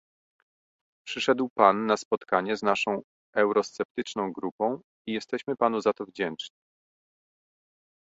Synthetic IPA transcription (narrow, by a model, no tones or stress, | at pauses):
pʂɘʂɛd̪wpanːaspɔt̪kaɲɛznaʂɔ̃w̃ | ʔɛwɾɔst̪sɛp̚t̪ɘt͡ʂnɔ̃w̃ɡɾupɔ̃w̃ | ijɛst̪ɛɕmɘpanuzat̪ɔvd͡ʑɛnt͡ʂɲi